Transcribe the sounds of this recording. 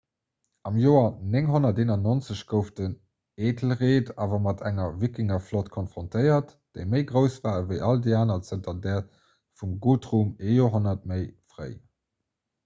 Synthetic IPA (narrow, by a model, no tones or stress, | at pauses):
ʔɑmjoːɐneŋɦonɐteːnɐnont͡səɕɡ̥əʊftən | eːdl̩ʁeːtʰaːvɐmɑtʰæŋɐvikɪŋɐflotkʰɔnfʁ̥ontʰəɪɐt | d̥eɪməɪɡʁəʊsvaːəvəɪʔɑldeaːnɐt͡səntɐdɛːɐt | fumɡuːtʁuːmejoɦonɐt̚məɪfʁə̰ɪ